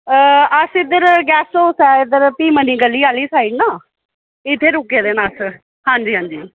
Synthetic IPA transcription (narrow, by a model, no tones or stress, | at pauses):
əəsɪd̪əɾɡɛːsoːsɛːɪd̪əɾpiːməniːɡəlːiːaːliːsaːiɖnaː | ɪt̪ʰːeːɾʊkeːd̪eːnaːs | hãːɲd͡ʒiːɦãːɲd͡ʒiː